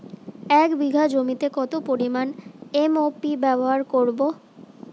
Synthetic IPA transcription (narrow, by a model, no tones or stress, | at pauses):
ɛkbiɡʱad͡ʑomit̪ekɔt̪opoɾimanemopibɛboɦaɾkoɾbo